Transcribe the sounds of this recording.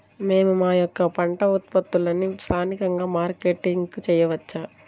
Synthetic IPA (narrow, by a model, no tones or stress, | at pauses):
me̞ːmumaːjɔkːɐpɐɳʈɐut̪̚pɐt̪ːulɐnist̪ʰaːnikɐŋɡaːmaːɾkeʈːiŋkut͡ʃɛːjɐʋɐt͡ʃːaː